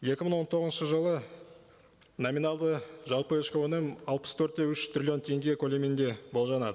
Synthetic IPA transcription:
je̞kʲɪmɪɴwont̪ʰo̞ʁəzʃəʒəlˠə | nomʲinɑlˠd̪əʒɑlˠpəɪʃkʲewenemɑlˠpəst̪ʰɵɾt̪̚ːe̞ʏʃt̪ɾrʲilʲi̞nt̪ʰe̞ŋɡʲe̞kʰo̞lʲemend̪e̞bo̞lˠʒɑnɑd̪ə

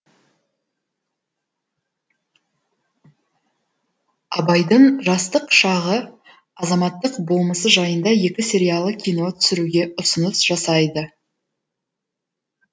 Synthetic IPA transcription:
ɑ̰bɑjd̪əɴʒɑst̪əqʃɑʁə | ɑzɑmɑt̪ːəqbo̞lˠməsəʒɑjənd̪ɑje̞kʲɪsʲe̞ɾʲijalˠəkʲʰijno̞t̪ʰʏ̥sɪɾuɡʲe̞ʊsənəsʒ̥ɑsɑjd̪ə

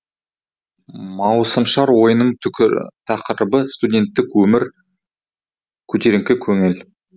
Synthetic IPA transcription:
mɑwsəmʃɑɾwo̞jənəɴt̪ʰɑqəɾəbəst̪udʲe̞nt̪ːɪkwɵmɪɾ | kʲʰɵt̪e̞ɾɪŋkʲɪkʲʰɵŋel

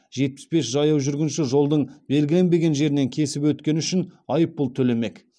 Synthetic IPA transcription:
ʒ̥e̞t̪̚pɪ̥sbe̞sʒɑjɑwʒʏɾɡʲɪnʃɪʒo̞lˠd̪əɴbe̞lɡʲɪlʲe̞nbe̞ɡʲe̞nʒe̞ɾɪne̞ŋkʲʰe̞sɪpwɵt̪kʲe̞nɪʏʃɪnɑjəp̚ːʊlˠt̪ʰɵle̞me̞k

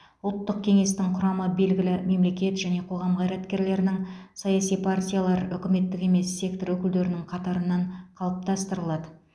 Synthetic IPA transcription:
ʊlˠt̪ːəq̚kʲʰe̞ŋe̞st̪ɪŋqʰʊɾɑməbe̞lɡʲɪlɪme̞mle̞kʲe̞t̪ʒæne̞qʰo̞ʁɑmqʰɑjɾɑt̪kʲe̞ɾle̞ɾɪnɪŋsɑjɑsijpʰartʲijalˠɑɾʏkʲɪme̞t̪ːɪke̞me̞sːe̞kt̪o̞ɾɵkʲɪld̪e̞ɾɪnɪŋqʰɑt̪ɑɾənːɑɴqʰɑlˠəp̚t̪ɑst̪əɾəlˠɑd̪ə

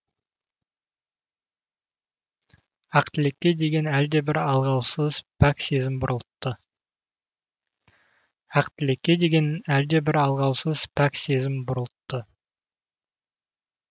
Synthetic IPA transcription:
ɑqt̪ɪle̞kʲːe̞d̪e̞ɡʲe̞næld̪e̞bɪɾɑlˠʁɑwsəzpʰæksezɪmbʊɾəlˠt̪ːə | ɑqt̪ɪle̞kʲːe̞d̪e̞ɡʲe̞næld̪e̞bɪɾɑlˠʁɑwsəzpʰækse̞zɪmbʊɾəlˠət̪ːə

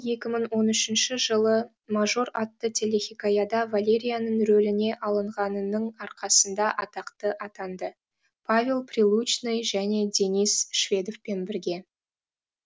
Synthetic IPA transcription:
je̞kʲɪməɴwo̞nʏʃɪnʃɪʒəlˠə | maʒo̞ɾɑt̪ːət̪ʲʰe̞lʲe̞xʲikajad̪ɑvalʲe̞ɾʲijanəɴɾɵlɪne̞ʔɑlˠəɴʁɑnənəɴɑɾqʰɑsənd̪ɑʔɑt̪ɑqt̪əʔɑt̪ɑnd̪ə | pʰavʲe̞lˠprʲilˠut͡ʃnejʒæne̞d̪ʲe̞nisʃvʲe̞d̪o̞fpe̞nbɪɾɡʲe̞

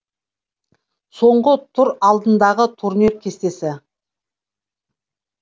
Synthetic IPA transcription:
so̞ɴɢət̪ʰʊɾɑlˠd̪ənd̪ɑʁət̪ʰuɾniɾkʲʰe̞st̪e̞sɪ

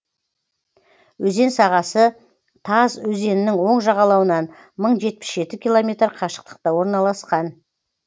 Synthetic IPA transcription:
wɵze̞nsɑʁɑsə | t̪ʰɑzwɵze̞nɪnɪŋwo̞ɴʒɑʁɑlˠɑwənɑn | məɴʒe̞t̪̚pɪ̥sʒ̥e̞t̪ɪkʲilˠo̞mʲe̞t̪rqʰɑʃə̥q̚t̪ə̥q̚t̪ɑwo̞ɾnɑlˠɑsqɑn

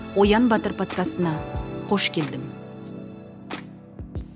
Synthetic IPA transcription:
wojɑnbɑt̪əɾpʰo̞t̪kast̪ənɑqʰo̞ʃkʲʰe̞ld̪ɪm

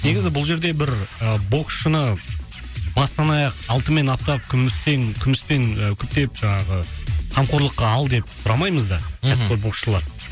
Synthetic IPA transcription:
ne̞ɡʲɪzɪbʊlˠʒe̞ɾd̪e̞bɪɾəbo̞kʃənə | bɑst̪ɑnɑjɑqɑlˠt̪əme̞nɑp̚t̪ɑp̚kʲʰʏmɪsteŋkʲʰʏmɪspe̞ŋəkʲʰʏp̚t̪e̞pʒ̥ɑɴɑʁəqʰɑmqʰo̞ɾlˠəqːɑɑlˠd̪e̞p̚sʊɾɑmɑjməzd̪ɑkʰæzpkʲɪɾbo̞qʃəlˠɑɾ

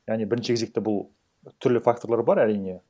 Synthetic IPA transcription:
jaʁnijbɪɾɪnʃɪkʰezek̚t̪ɪbʊlˠ | t̪ʰʏɾlɪfak̚t̪o̞ɾlˠɑɾbɑɾæɾijne̞

